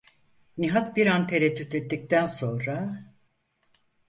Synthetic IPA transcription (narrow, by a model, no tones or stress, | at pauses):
niɦat̪̚biɾant̪ʰeɾɛt̪ʰːyt̪et̪ːic̚t̪ʰænso̞nɾa